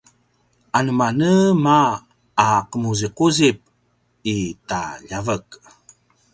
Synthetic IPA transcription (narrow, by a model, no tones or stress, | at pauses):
ʔanəmanəmaː | qəmuziquzip̚ | itaʎavək